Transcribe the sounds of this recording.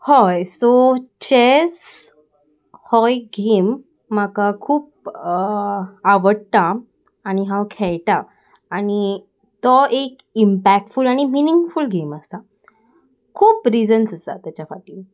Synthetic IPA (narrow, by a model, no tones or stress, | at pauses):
hɔjsot͡ɕes | hɔjɡʱemː | akakʰuːp̚ | aʋəɽt̪aː | ñiɦãwkʰɛɭt̪aː | ɽ̃i | t̪ɔʔek | impæk̚ʈfulaɽ̃iminiŋɡfulɡʱeməst̪a | kʰuːpɾid͡zənsəsa̰t̪jat͡ɕasaʈiː